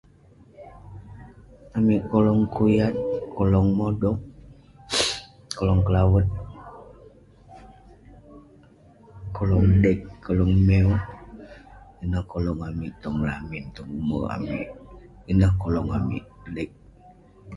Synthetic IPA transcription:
amiʔkɔlɔŋkujat̪̚kɔlɔŋmɔdɔŋ | kɔlɔŋkəlawət̪̚ | kʰɔlɔŋdɛkːɔlɔŋmɛɔ | inəhkɔlɔŋamiʔt̪ɔŋlamint̪ɔŋumə̰a̰mḭʔinəhkolɔŋa̰mḭʔlɛk̚

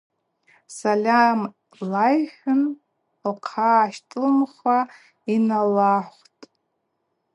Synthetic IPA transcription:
salʲam | lajħʷᶣʊn | lqʰaːʃtʼlɨmχʷa | inalaħʷtʼ

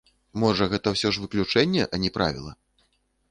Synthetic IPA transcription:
mɔʐɐɣɛt̪ɐwsʲɔʐvɨklʲut͡ʂɛnʲːɛ̰ʔɐnʲɛpɾa̰vʲḭlˠɐ̰

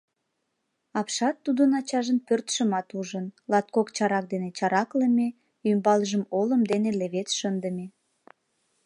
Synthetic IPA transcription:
ɑpʃɑt̪ːud̪ənɑt͡ɕɑʒənpørt̪ʃəmɑt̪uʒənlɑt̪̚kokt͡ɕɑɾɑk̚d̪enet͡ɕɑɾɑkləme | ymbɑlʒəmoləmd̪eneleβet̪ʃənd̪əme

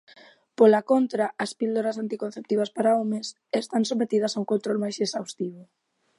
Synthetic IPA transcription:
polakont̪ɾaʔːspild̪oɾasant̪ikon̟θep̚t̪iβɐspaɾaomes | est̪ansomet̪ið̞ɐsauŋkont̪ɾolmajsesawst̪iβo

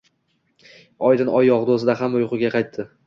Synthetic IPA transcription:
ɒjd̪ɪnɒjɒʁd̪osɪd̪aɦamʊjqʰʊɡʲaqʰɑjt̪ʰːɪ

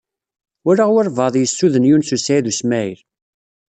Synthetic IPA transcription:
ʊɾaʁwəɾvɑðˤjəsːuðənjunsusæðusmæjil

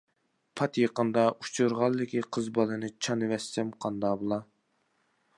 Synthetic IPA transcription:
pʰɑt̪jeqənd̪ɑʔut͡ʃʰuɾʁɑlˠːɨkʲʰiqʰəzbɑlˠɨnɨt͡ʃʰɑnɨvɛsɪmqʰɑnd̪ɑbolˠɑ

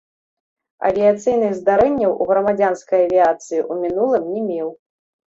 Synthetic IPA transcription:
ɐ̰vʲiat̪sɨjn̪ɨɣzd̪aɾɛnʲːɐwʔuɣɾɐmad͡zʲanskɐjɐvʲiat̪sɨjiʔumʲinulˠɨmnʲɛmʲɛw

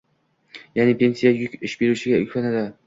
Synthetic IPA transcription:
jaːnɪpʰe̞nsijajʊɪʃbeɾuʃɪɡʲaʊ̰kʰʲvanad̪ɪ

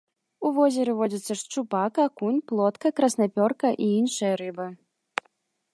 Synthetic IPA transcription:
uvɔzʲɛɾɨvɔd͡zʲit̪sːɐʂt͡ʂupakakunʲplˠɔt̪kɐkɾɐsnapʲɔrkɐʔiinʂɨjɐɾɨbɨ

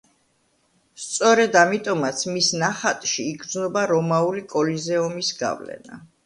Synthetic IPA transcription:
st̪sʼɔɾɛd̪amit̪ʼɔmat̪sʰmisnaχat̪ʼʃiːɡɾd̪znɔbaɾɔmaulikʼɔlizɛɔmisɡa̰vlɛ̰na̰

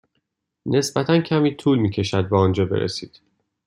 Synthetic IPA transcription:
nʔe̞sbæt̪ʰæncʰæmiːt̪ʰuːlmiːcʰe̞ʃæd̪̚bɛɒːnd͡ʒɒːbe̞̰ɾʔḛsḭːd̪̥

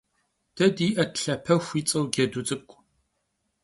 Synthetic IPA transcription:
d̥ɐdiːʔɐtɬɐpʰɐxʷit͡sʼɐwɡʲɛdut͡sʼɨkʷʼ

